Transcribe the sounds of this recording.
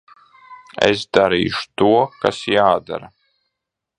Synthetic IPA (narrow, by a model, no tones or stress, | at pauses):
ɛ̰sd̪aɾḭːʃu̥t̪uɔka̰sjaːd̪a̰ɾa